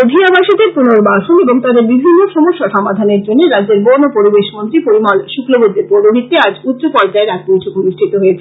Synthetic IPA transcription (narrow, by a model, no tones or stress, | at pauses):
od̪ʱiabaʃid̪epunoɾbaʃoneboŋt̪ad̪eɾbibʱinːoʃɔmoʃːaʃɔmad̪ʱaneɾd͡ʑonːeɾadːd͡ʑeɾbonopoɾibeʃmont̪ɾipoɾimalʃuklobod̪ːeɾpoɾoɦit̪ːead͡ʑut̪ːopɔɾd͡ʑaeɾɛk̚pojt͡ɕʰokoniʃʈʰit̪oɦoet͡ɕʰe̥